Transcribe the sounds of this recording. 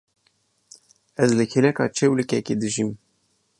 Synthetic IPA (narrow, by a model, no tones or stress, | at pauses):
ɛzlɨkʰelɛkɑ̰ːt͡ʃʰewlɨkɛked̪ɨʒim